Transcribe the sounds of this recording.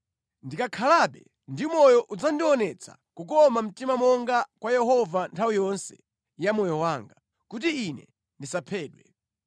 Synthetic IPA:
ndikakʰalaɓɛ | ndimɔjɔʔud͡zandiɔnɛt͡sʰḁ̰ | kukɔmam̩timamɔŋɡakwajɛhɔvantʰawijɔnsɛ̥̰ | jamɔjɔwaːŋɡa | kut̬iːnɛ̰ | ndisapʰɛːɗwɛ̰

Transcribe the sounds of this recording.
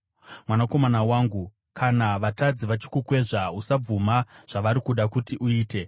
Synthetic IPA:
mwanako̞manawaːŋɡu | kʰanaʋatad͡ziʋat͡ʃi̥kukwe̞ʐausab͡vumaʐ̥aʋaɾikuɗakutiʔuiːte̞

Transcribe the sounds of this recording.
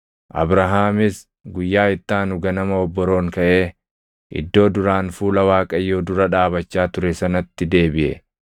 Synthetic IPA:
ʔɐ̰bɾɐɦaːmɪs | ɡʊjːaːɪt̪ːaːnʊɡɐnɐmɐɔbːɔɾo̞ːŋkɐʔe̞ː | ʔɪ̰d̪ːo̞ːd̪ʊɾaːnfuːlɐwaːkʼɐjːoːd̪ʊɾɐᶑaːbɐt͡ʃːaːt̪ʊɾɛsɐnɐt̪ːɪd̪e̞ːbɪʔɛ̰

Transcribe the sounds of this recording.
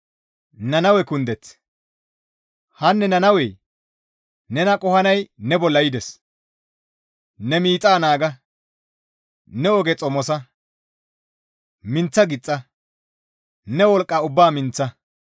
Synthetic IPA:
nɐnɐwɛkʊnd̪ɛt͡s | hɐnːɛnɐnɐwɛj | nɛnɐkʼɔhɐnɐjnɛbɔlːɐjɪd̪ɛs | nɛmiːt͡sʼaːnaːɡɐ | nɛɔɡɛt͡sʼɔmɔsɐ | mɪnt͡sːɐɡɪt͡sʼːɐ | nɛwɔlkʼːɐʊbːaːmɪnt͡sːɐ

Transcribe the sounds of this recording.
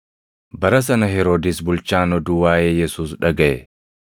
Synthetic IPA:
bɐɾɐs̬ɐnɐɦɛɾoːd̪ɪsbʊlt͡ʃaːnɔd̪uːwaːjeːjɛsuːsᶑɐɡɐʔɛ

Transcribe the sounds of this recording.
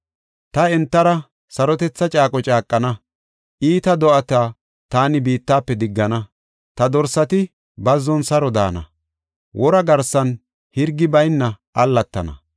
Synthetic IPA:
t̪ɐɛnt̪ːɐɾɐ | sɐɾɔt̪ɛt͡sːɐt͡ʃʼaːkʼɔt͡ʃʼaːkʼːɐnɐ | ʔiːt̪ɐd̪ɔʔɐt̪aː | t̪aːnɪbiːt̪ːaːpːɛd̪ɪɡːɐnɐ | t̪ɐd̪ɔɾsɐt̪ɪ | bɐzːɔnsɐɾɔd̪a̰ːnɐ̰ | wʔɔɾɐɡɐɾsɐn | hɪɾɡːɪbɐjnːɐ | ʔɐlːɐt̪ːɐnɐ̰

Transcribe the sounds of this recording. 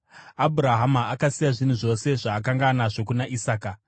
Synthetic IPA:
abʱuɾaɦamaakasijaʐin̤uʐo̞se̞ʐaːk̬aŋɡanaʐo̞kunaʔisaːka

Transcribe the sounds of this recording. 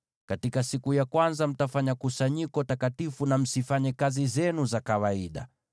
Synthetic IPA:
katikasikujakwanzam̩tafaɲakusaɲikɔtakatifunam̩sifaɲɛkazizɛnuzakawaiɗa̰

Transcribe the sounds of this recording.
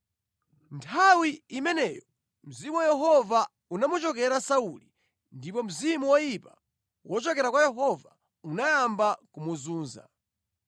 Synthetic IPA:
ntʰawiimɛnɛjɔ | m̩zimuwajɛɦɔva | unamut͡ʃɔkɛɾasauli | ndip̬ɔm̩zimuwajipa | wʔɔt͡ʃɔkɛɾakwajɛɦɔva | unajambakumuzuːnza̰

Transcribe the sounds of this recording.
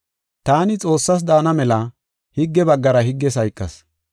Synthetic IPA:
t̪aːnɪt͡sʼo̞ːsːɐs̬d̪aːnɐmɛlɐ | hɪɡːɛbɐɡːɐɾɐhɪɡːɛs̬ɐjkʼːɐs

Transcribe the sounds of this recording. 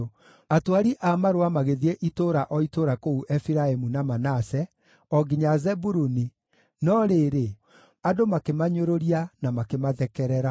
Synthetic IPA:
atwaɾiʔamaɾoamaɣeðieʔitoɾaʔɔitoɾakouʔɛfiɾaemunamanasɛ | ɔɡiɲazɛbuɾuni | nɔɾeɾe | adomakemaɲoɾoɾianamakemaðɛkɛɾɛɾa

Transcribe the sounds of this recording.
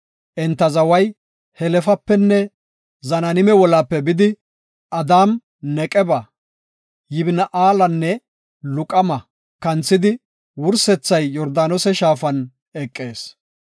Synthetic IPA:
ʔɛnt̪ːɐzɐwɐj | hɛlɛfɐpːɛnːɛ | zɐnɐnɪmɛwɔlapːɛbɪd̪ɪ | ʔɐd̪aːm | nɛkʼɛbɐ | jɪbnɐʔaːlɐnːɛ | lʊkʼɐmɐ | kɐnt͡sːɪd̪ɪ | wʊɾsɛt͡sːɐjːɔɾd̪aːnɔsɛʃaːfɐn | ɛkʼːe̞ːs

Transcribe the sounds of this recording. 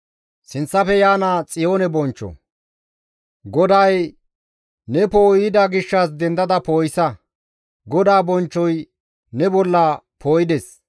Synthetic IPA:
sɪnt͡sːɐfɛjaːnaːt͡sʼɪjo̞ːnɛbɔnt͡ʃːɔ̰ | ɡɔd̪ɐj | nɛpo̞ːjɪd̪ɐɡɪʃːɐs̬d̪ɛnd̪ɐd̪ɐpoːjɪsɐ | ɡɔd̪aːbɔnt͡ʃːɔj | nɛbɔlːɐ | pʰoːjɪd̪ɛs

